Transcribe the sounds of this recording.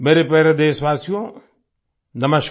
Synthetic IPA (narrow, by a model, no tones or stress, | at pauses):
meːɾepɛɾed̪eːsʋaːsijõ | nɐməʃ